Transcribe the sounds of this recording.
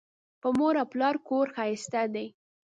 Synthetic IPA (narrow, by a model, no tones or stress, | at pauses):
pəmoɾaplɑɾkoɾxɑjɪst̪ad̪aj